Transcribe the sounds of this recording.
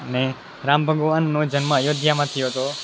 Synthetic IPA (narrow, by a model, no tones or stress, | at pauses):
əne | ɾambʱəɡoʋanːõd͡ʒənmə̃jod̪ʱjamãt̪ʰijoɦt̪o